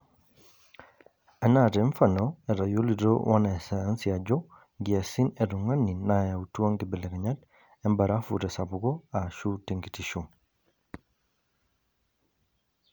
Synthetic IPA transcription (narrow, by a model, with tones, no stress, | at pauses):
a˨na˨tɛ˨˦ɱfa˨nɔɛ˨ɾa˨jo˦li˨ɾo̰˦wʔa̰˦na˨sɛ˨a˦nsia˨d͡ʒɔ˦ | ɡi˨a˨si˦nɛ˨ɾu˨ŋa˦ni˨naja˨utu˦a˦ŋɡibɛ˨lɛ˨ɡɛ˨ɲa˦t | ɛ˦mba˨ɾa˦fṵ˨ɾɛ˨sa˨buɡɔ˦a˨ʃu˦te˨ŋɡi˨tiʃu